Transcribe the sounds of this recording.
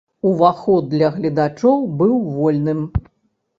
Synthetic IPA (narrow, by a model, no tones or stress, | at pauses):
uvaxɔd̪ːlʲɐɣlʲɐd̪at͡ʂɔwbɨwvɔlʲnɨm